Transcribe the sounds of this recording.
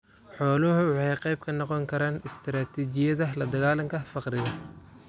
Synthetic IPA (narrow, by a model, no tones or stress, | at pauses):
ħɔːlʊɦʊwʊħɑjqɑjb̚kʰɐnɔqɔŋkʰɐɾaːnɪst̪ʰɾaːt̪ʰit͡ʃɪjɐðɐlɐd̪ɐɣaːlɐŋkʰɐfɑqrɪɣɐ